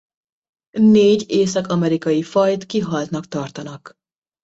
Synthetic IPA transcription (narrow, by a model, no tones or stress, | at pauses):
neːɟeːsɒkɒmɛɾikɒjifɒjt̪kiɦɒlt̪nɒkt̪ɒrt̪ɒnɒk